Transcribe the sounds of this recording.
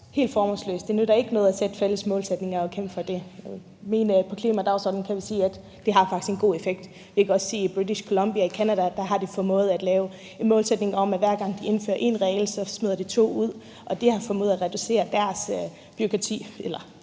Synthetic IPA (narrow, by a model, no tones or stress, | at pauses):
he̝̰ːld̥fɒːmɔnslø̰ːsd̥e̝nuæɾ̥ɑ̈e̝ɡ̥ənɔ̽ð̩ˠæsed̥feləsmɔ̽ːlsed̥ne̝ŋɐɒkʰem̰b̥fɒ̽d̥e̝ | menpʰɒ̽kʰliːmæd̥ɑ̈ʊsɔ̰ːd̥n̩kʰæʋisiːæd̥ːe̝ɦɑ̈fɑ̈ɡ̥i̥sɡ̥enɡ̥o̝̰ːe̝feɡ̥̚d̥ | ʋikʰæɒ̽sse̝̰ːib̥ʁidiɕkʰo̝lɒ̽mb̥iɐikʰænæd̥æd̥ɑ̈ɦɑ̈d̥efɒmɔ̽ːð̩ˠæd̥lɛːʊ | enmɔ̽ːlsed̥ne̝ŋɒ̽mæʋæɐɡ̥ɑ̈ŋ̰d̥ie̝nfø̰ːɐʔe̝̰nʁɛːl̩sɒ̽smið̰ˠɐd̥it͡sʰo̝̰ːuð̞̰ˠ | ʔɒ̽d̥e̝hɑ̈fɒmɔ̽ːð̩ˠæʁɛd̥use̝̰ːɐd̥æɐs | b̥yʁokʰʁɑ̈t͡sʰḭːelɐ